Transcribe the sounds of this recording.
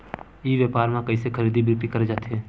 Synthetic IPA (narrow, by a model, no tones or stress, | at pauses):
iːʋjəːpaːɾmãkɐisekʰəɾiːd̪ibʱʊkʈikɐɾed͡ʒaːt̪eɦɛ̃ː